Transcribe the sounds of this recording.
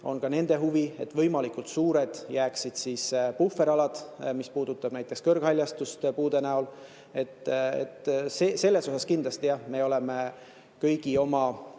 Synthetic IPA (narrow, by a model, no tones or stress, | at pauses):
o̞̰nkɑne̞nd̪̥e̞ɦuvie̞t̪ːvɤ̞jmɑlikult̪suːɾe̞d̪̥jæːksid̪̥siːspufːe̞ɾɑlɑd̪̥mispuːd̪ut̪ːˑɑb̥næjt̪ːˑekskɤrɡ̥hɑlʲjɑst̪ust̪puːd̪e̞næol | e̞t̪ːḛt̪sese̞lːe̞so̞sɑskind̪lɑst̪ijɑhme̞oleme̞ | kɤjɡ̥io̞mɑ